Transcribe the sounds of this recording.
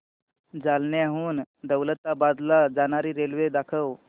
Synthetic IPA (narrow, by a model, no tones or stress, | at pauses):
d͡zalneaɦuːnd̪əwlət̪ːabad̪lad͡zañaɾiːɾelʋed̪akʰəw